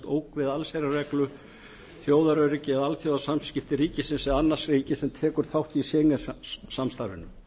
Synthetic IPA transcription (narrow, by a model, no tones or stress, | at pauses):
t̪oːwkvɪðalsejɾarɛklʏ | θjoːwðaɾœɥɾɪcɪɛðalθjoːwðasamscɪft̪ɪɾiːcɪsɪnsɛðanːḁsriːcɪsɛmt̪ʰɛːkʏɾ̥θawht̪isɛːŋɪsamst̪aɾʏ̰nːʏm